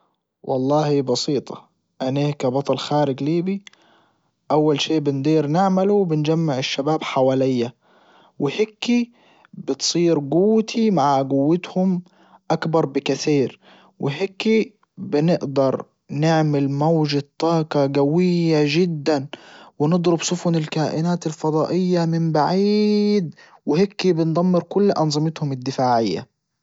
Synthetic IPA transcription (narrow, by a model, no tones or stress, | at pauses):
wʔɑlˤːɑːhibɑsiːt̪ˤɑ̥ | ʔaneːkabɑt̪ˤɑlxaːɾɪɡliːbi | ʔawːalʃeːʔbɪnd̪ˤiːɾnɪʕmaluwbɪnd͡ʒamːaʕɪʃːabaːbħawaːlɪjːa | wɪheːkːi | bɪt̪sˤiːɾɡʊwːt̪ʰimaʕaɡʊwːɪt̪hʊm | ʔakbɑɾˤbɪkaθiːɾ | wʔɪɦekːi | bɪnɪʔd̪ɑɾˤ | nɪʕmɪlmawʒat̪ˤːɑːkɑɡawɪjːaʒɪd̪ːanwɪnɨd̪ˤɾʊbsʊfʊnɪlkaːʔɪnaːt̪ɪlfɑd̪ˤɑːʔɪjːamɪmbaʕiːd̪ | wɪhekːibɪnd̪ˤamːɪɾkʊlːʔɑnzˤɨmɪt̪hʊmɪd̪ːɪfaːʕɪjːa̰